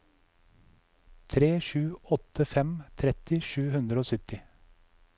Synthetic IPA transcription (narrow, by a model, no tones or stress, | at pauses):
t̪ʰɾeːʃʉːɔt̪ʰəfɛmt̪ʰɾɛt̪ɪʃʉːhʉnd̪ɾəoːsʏt̪ɪ